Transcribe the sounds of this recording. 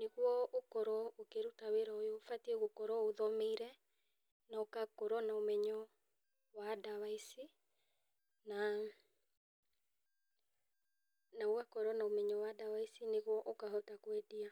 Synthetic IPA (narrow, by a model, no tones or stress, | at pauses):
neɣwɔʔokɔɾɔokeɾutaweɾaojofatiɛɣokɔɾɔoðɔmeiɾɛ | naokakɔɾɔnaomɛɲɔ | wadawaisi | na | naoɣakɔɾɔnaomɛɲɔwadawaisineɣwɔʔokaɦɔtakwedia